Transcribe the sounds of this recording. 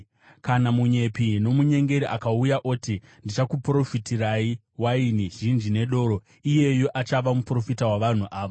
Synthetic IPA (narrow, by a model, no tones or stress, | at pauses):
kanamuɲe̞pino̞muɲe̞ŋɡe̞ɾiʔakaujaʔotindit͡ʃakupro̞fitirai | wainiʒind͡ʒine̞ɗo̞ːɾo̞ | ije̞jo̞ʔat͡ʃaʋamupro̞fitawaʋan̤uʔaːʋo